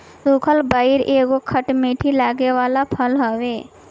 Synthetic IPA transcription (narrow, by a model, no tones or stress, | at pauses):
sukʰəlbaːɪɾeːɡokʰəʈmiːʈʰilaːɡeʋaːlapʰəlɦoʋeː